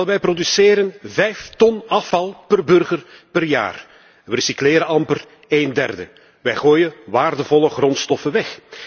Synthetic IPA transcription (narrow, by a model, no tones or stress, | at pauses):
ɛlˠʋɛjprodysɪːɾənvɛjft̪ɔnɑfɑlˠpərbɵrɣərpərja̰ːr | risiklɪːɾəɑmpər | eːndɛrdə̰ | ʋɛjɣoːjəʋaːrdəvɔləɣrɔnstɔfəʋɛx